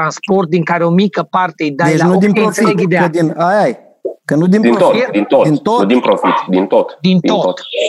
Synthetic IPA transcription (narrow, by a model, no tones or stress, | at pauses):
ɾanspo̞rt̪̚d̪iŋkaɾeo̞mikəpart̪eid̪ad̪et͡ʃanud̪inɾofieɡʲid̪ead̪inajaj | kənud̪ind̪int̪oid̪int̪oint̪od̪inpɾofit̪d̪int̪ot̪d̪int̪ot̪